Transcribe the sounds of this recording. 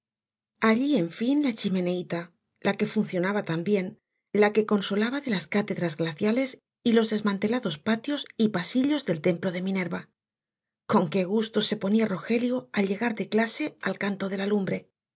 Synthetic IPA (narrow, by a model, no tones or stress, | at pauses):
aʎie̞ɱfinlat͡ʃimẽ̞ne̞it̪a | lʔake̞funθjo̞naβat̪ambje̞n | lake̞ko̞nso̞laβaðe̞laskat̪e̞ðɾazɣlaθjale̞s | ilo̞zðe̞zmãnt̪e̞laðo̞spat̪jo̞sipasiʎo̞zðe̞lt̪e̞mplo̞ð̞e̞mĩne̞ɾβa | ko̞ŋke̞ɣ̞ust̪o̞se̞po̞niaro̞xe̞ljoalʎe̞ɣaɾðe̞klase̞alkant̪o̞ð̞e̞lalumbɾe̞